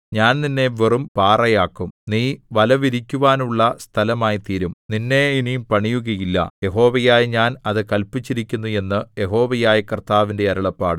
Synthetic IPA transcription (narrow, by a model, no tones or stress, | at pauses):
ɲaːnninːe̞ʋerumpaːrɐjaːkːumniːʋɐlɐʋiɾikʲːuʋaːnuɭːɐst̪ʰɐlɐmaːjit̪iːɾumninːe̞inimpɐɳijuɣɐjilːɐ̰je̞ɦo̞ːʋɐjaːjɲaːnɐðɨkɐlpit͡ɕːiɾikʲːunːue̞nːɨje̞ɦo̞ːʋɐjaːjɐkrt̪aːʋinde̞ɐɾɐɭɐpːaːɽɨ